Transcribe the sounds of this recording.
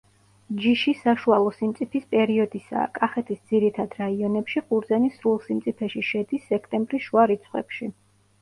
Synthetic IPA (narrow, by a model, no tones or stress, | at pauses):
d͡ʒiʃisaʃualˠɔsimt̪sʼipʰispʼɛɾiɔd̪isa̰ːkʼaχɛt̪ʰisd̪ziɾit̪ʰad̪ɾaiɔnɛpʃiχuɾd̪zɛnisɾulˠsimt̪sʼipʰɛʃiʃɛd̪isːɛkʰt̪ʼɛmbɾisʃuaɾit̪sʰχwɛ̰pʃi